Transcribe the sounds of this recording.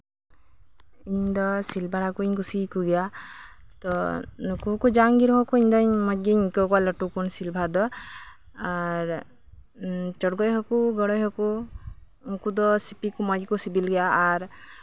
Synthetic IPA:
iɲd̪ɔsilbʱaɽakuiɲɡusikuɡɛja | t̪ɔnukukud͡ʒaŋɡiɾɦɔkuiɲd̪ɔɲmɔd͡ʒiɲkɔkalɔʈukunsilbʱad̪ɔ | aɾ | t͡ʃɔɽɡɔjɦɔkuɡɔɽɔjɦɔku | ŋkud̪ɔsipikumɔd͡ʒkusibilɡɛjaːɾ

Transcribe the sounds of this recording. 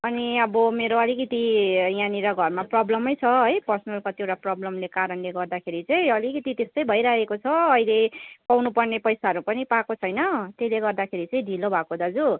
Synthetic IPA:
ʌniʌbʌmeɾoʌlikʌt̪ijãniɾʌɡʱʌrmaprʌblʌmʌjt͡sʰʌʌjpʌrsʌnʌlkat̪jewʈaprʌblʌmlekaɾʌnleɡʌrd̪akʰeɾit͡sʌĩʌlikʌt̪it̪est̪ʌjbʱʌjɾaɦekot͡sʰʌʌjlepawnupʌrnepʌjsaʌɾupʌnipakot͡sʰʌjnʌt̪eleɡʌrd̪akʰeɾit͡sʌĩɖʱilobʱakod̪ad͡zu

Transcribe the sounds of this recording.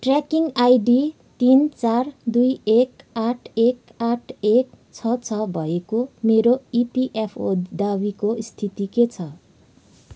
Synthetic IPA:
ʈrakiŋajɖi | t̪int͡sard̪ujekaʈʰek | aʈʰek̚ | t͡sʰʌt͡sʰʌbʱʌekomeɾoipiʔepʰod̪awikoist̪ʰit̪iket͡sʰʌ

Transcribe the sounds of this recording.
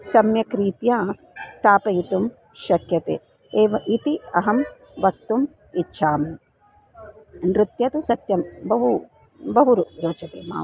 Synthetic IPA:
sɐmjɐkɾiːt̪jaː | st̪ʰaːpɐjit̪um | ʃɐkjɐt̪ḛː | eːʋɐʔit̪iɐɦɐm | ʋɐk̚t̪um | itːʃʰaːme | nɾɪt̪jɐt̪usɐt̪jɐmbɐɦu | bɐɦuɾuɾoːt͡ʃɐt̪ḛːma̰ː

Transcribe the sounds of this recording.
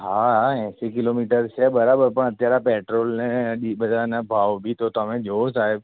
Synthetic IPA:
ɦaːɦɛ̃ːsekɪloːmiːʈəɾt͡ʃɛbɐɾabəɾpɐɳ̃ɐt̪jaɾapɛːʈɾoːlnɛ̃ɗibɐd̪anɐbʱaːwbʱit̪ot̪aːmẽd͡ʒoːsaːeb

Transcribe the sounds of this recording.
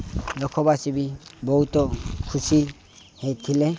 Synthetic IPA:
lɔkʰɔbasibibɔut̪ɔkʰusi | hejt̪ʰile

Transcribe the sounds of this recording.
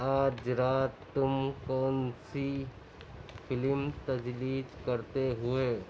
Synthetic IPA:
aːd͡ʒɾaːt̪ːʊmkɔːnsi | fʰɪlmt̪ɐd͡ʒliːd͡ʒkɐɾt̪eɦʊeː

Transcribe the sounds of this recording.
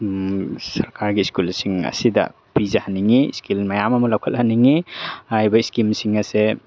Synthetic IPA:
sɐɾkaɾɡiskulsiŋɐ̰sidɐ̰ | pizahaniŋḭskilmajamɐmulawkʰɐt̚haniŋiajbɐiskimsiŋɐse

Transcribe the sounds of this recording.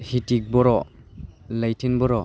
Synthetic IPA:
hitik̚bɔɾɔ | lajtʰinbɔɾɔ

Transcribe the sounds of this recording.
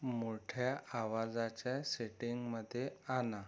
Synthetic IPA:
moʈʰjaʔaʋad͡zat͡ɕjaseʈiŋɡməd̪ʱːjeana

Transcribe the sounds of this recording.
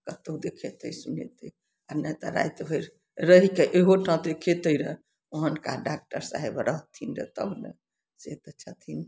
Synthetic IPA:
kət̪əd̪ekʰet̪əjsunḛt̪ə | anɛt̪əɾa̰jt̪bʱəjɾ | ɾəɦikeʔeɦoʈʰãt̪ekʰet̪əjɾə | oɦənkaɖak̚ʈəɾsa̰ɦebɾəɦt̪ʰinɾḛt̪ə̰blḛ | set̪ət͡ʃʰət̪ʰin

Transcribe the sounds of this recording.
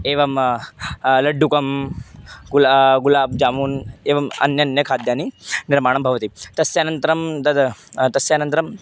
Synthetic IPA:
eːʋɐm | lɐɖːukɐm | ɡlaɡulaːb̚d͡ʒaːmuːneːʋɐmɐ̰njɐnjɐkʰaːd̪jaːniniɾmaːɳ̃ɐmbʱɐʋɐt̪it̪ɐsjaːnɐnt̪ɐɾɐmd̪ɐd̪t̪ɐsjaːnɐnt̪ɐɾɐm

